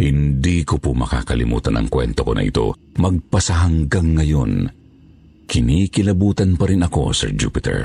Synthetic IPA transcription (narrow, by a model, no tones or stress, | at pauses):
hɪnd̪ikopʊmɐka̰ːkɐlɪmṵːt̪ɐnʔɐ̰ŋkwɛnt̪okonʔɐ̰ʔɪ̰t̪o̞̰ | mɐɡ̚pɐsɐɦɐŋɡaŋːɐjo̞n | kʰɪnikɪlɐbuːt̪ɐnpɐɾɪnɐko̞̰sɛ̰ɹd͡ʒṵːpɪt̪ʰɛ̰ɹ